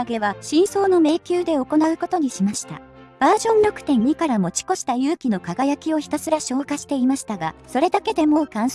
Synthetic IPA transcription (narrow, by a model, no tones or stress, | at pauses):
ɡe̞βaɕĩɰ̃so̞ːno̞me̞ːkʲɨːd̪e̞o̞ko̞naɯ̟ko̞t̪o̞ɲ̟iɕimaɕi̥t̪a̰ | b̥aːʑõ̞nɾʲo̞kɯ̟̥t̪ẽ̞ɲ̟ɲːikaɾamo̞t͡ɕi̥ko̞ɕi̥t̪ajɯ̟ːkʲino̞kaɡajakʲio̞çi̥t̪asɨɾaɕo̞ːkaɕi̥t̪e̞imaɕi̥t̪aɡaso̞ɾe̞d̪ake̞d̪e̞mo̞kãɰ̃